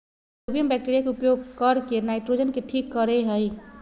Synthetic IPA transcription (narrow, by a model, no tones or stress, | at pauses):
obijəmbɛk̚ʈeɾijakeupjoɡ̚kəɾkenaɪʈɾod͡ʒənkeʈʰikːəɾeɦəj